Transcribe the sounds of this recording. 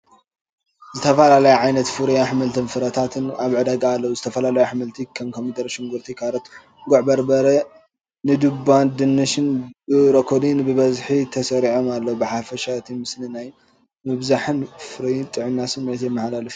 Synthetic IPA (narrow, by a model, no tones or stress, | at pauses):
zɨt̪ʰɐfɐlalɐjuʕajnɐt̪fɨɾijaħɨmɨlt̪ʰɨnfɨɾɐt̪ʰat̪ʰɨnaβʕɨd̪aɡaːlːɐwuzɨt̪ʰɐfɐlalɐjuħɨmɨlt̪ʰikʰomkʰomit̪ʰɐɾʃɪŋɡuɾt̪ʰikʰaɾot̪ | ɡoʕbɐɾbɐɾɐ | nɨd̪ɨbːand̪ɨnːɨʃɪnbɨɾokʰod̪inbɨβɐzħit̪ʰɐsɐɾiʕomalːɐwbɨħafɐʃat̪ʰimɨsninaj | mɨβzaħɨnfɨɾijt̪ʼɨʕɨnːasɨnet̪emːɨħlalɨf